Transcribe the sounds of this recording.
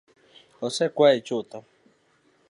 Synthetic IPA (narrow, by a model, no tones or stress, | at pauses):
ɔsɛkʷaet͡ʃʊt̪ɔ